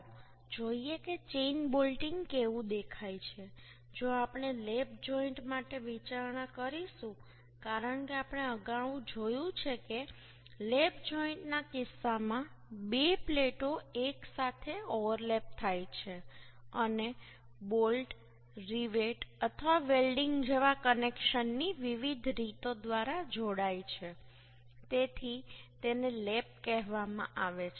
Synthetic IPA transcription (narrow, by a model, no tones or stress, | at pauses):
d͡ʒoieket͡ʃeinbolʈɪŋɡkeʋũd̪ekʰajt͡ʃʰe | d͡ʒoapɳ̃elep̚d͡ʒɔiɳʈmaʈeʋit͡ʃaɾnakəɾiʃũ | kaɾəɳkeapɳ̃eəɡaʋũd͡ʒojũt͡ʃʰeke | lepd͡ʒɔiɳʈnakɪsːamãbepleʈoeksat̪ʰeɔʋəɾlep̚t̪ʰajt͡ʃʰeəne | bolʈ | ɾiʋeʈət̪ʰəʋaʋelɖiŋɡd͡ʒeʋakənekʃənːiʋiʋid̪ʱɾit̪od̪ʋaɾad͡ʒoɽajt͡ʃʰe | t̪et̪ʰit̪enelep̚kɛɦʋamã̰ʔaʋet͡ʃʰ